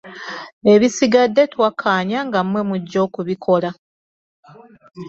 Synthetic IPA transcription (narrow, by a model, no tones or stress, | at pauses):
e̞βisiɡadːe̞twakʰːaːɲaŋɡamwe̞muɟːo̞ːkuβikʰo̞la